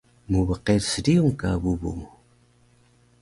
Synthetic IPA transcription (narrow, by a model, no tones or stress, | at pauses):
muβəqeɾsədiuŋkaβubṵŋ